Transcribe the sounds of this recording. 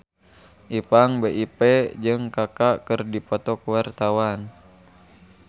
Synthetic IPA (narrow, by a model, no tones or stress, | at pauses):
ʔipaŋbeʔipɛd͡ʒɨŋkakakɨrdipɔt̪ɔkuwart̪awan